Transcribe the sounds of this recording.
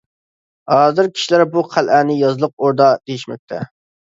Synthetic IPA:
hɑːzɪɾkʲʰi̥ʃilæɾbuqʰælʔænɪjɑzlˠəq̚oɾd̪ɑd̪̥ejiʃmɛ̰k̚ʲt̪ʰɛ̰

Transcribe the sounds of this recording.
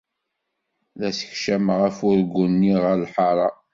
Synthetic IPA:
ðæsə̥çʃæmʁəfʊɾɡunːiʁəɾlħɑɾˤɑ

